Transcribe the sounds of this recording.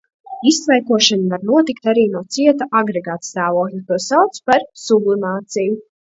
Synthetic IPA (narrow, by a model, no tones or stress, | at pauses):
isːvajkuɔʃanvaɾnuɔt̪ikt̪aɾiːnuɔt̪siɛt̪aʔaɡɾeɡaːt̪st̪aːvuɔklʲˠit̪uɔsawt̪spaɾsublˠimaːt̪siju